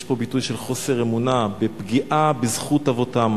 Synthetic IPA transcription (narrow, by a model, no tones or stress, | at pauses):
ʃpo̞bitujʃe̞lχo̞se̞ʁemunabepɡiʔabizχutavo̞tam